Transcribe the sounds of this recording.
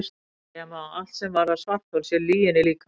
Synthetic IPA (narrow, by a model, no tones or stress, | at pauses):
s | ɛmaal̥t̪sɛmvaɾasvar̥t̪ɔlsjɛɾliːjɪnɛliːk